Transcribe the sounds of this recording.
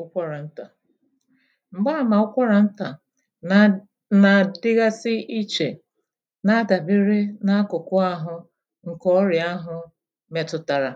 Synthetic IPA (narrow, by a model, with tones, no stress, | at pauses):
ʊ˦kʷa˦ɾa˨n̩˦ta˨ | ŋ͡m̩˨ɡ͡ba˦˨ma˨ʊ˦kʷa˦ɾa˨n̩˦ta˨ | na˨dɪ˦ɣa˦sɪ˦ʔi˦t͡ʃe˨ | na˦da˨bi˦ɾɪ˦na˦kʊ˨kʊ˦a˦ɦʊ˨ | ŋ̩˨kɔ˦ɾja˦ɦʊ˨ | me˨tʊ˨ta˨ɾa˨